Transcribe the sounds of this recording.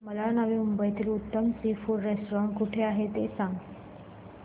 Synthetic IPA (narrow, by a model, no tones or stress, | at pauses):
məlanaʋiumbəjt̪ʰiːlut̪ːəmsifuɾɾesʈɾãɳkuʈʰeaɦet̪esãŋɡ